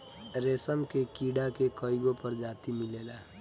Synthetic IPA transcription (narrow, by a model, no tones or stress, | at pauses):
ɾesəmkekiɽakekəiɡopəɾd͡ʒat̪imilela